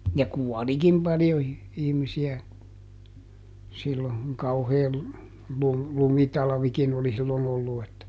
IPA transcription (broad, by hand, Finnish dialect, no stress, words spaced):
jɑ kuɔlikim pɑljo i ihmisiæ silːo kuŋ kɑuheː lu lumitɑlɑ̆ʋikin oli silːon olːu etːæ